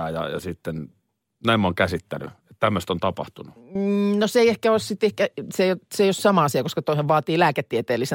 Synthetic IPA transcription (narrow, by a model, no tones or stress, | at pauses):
æːjɑ̰jɑ̰sit̪ːen | næimːoŋkæsit̪ːæny̰ett̪æmːøst̪ont̪ɑpɑ̰ht̪ununoseˑiehkæoˑssit̪ehkæseijot̪seijossɑmɑɑsiɑkoskɑt̪oˑiseʋʋɑːt̪iːlæːket̪ːiet̪eːlːˑise